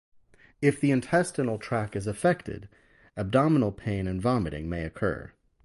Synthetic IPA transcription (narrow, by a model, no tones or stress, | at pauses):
ɨfðiɨ̃ntʰɛstɨnl̩ˠtʰɹ̥ækɨzɨfɛk̚tɪ̰ɾ | ɨb̚dɑmənl̩ˠpʰẽɪ̃nɨ̃nvɑmɨɾɪ̰̃ŋmeɪɨkʰɜ̰˞